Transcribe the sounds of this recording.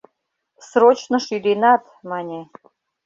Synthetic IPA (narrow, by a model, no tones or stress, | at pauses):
sɾot͡ɕnə̆ʃyd̪ʲinɑt̪ | mɑnʲe